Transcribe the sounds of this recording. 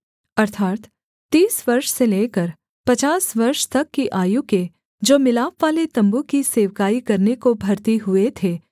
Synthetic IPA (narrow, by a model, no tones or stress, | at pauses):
ɐɾt̪ʰaːt̪ | t̪ːiːsʋɐɾʃseleːkəɾ | pɐt͡ʃaːsʋɐɾʃt̪ɐkːiʔaːjuke | d͡ʒoːmɪlaːpʋaːlet̪ɐ̃mbukiseːʋkaːikɐɾnekobʱɐɾt̪iɦʊet̪ʰeː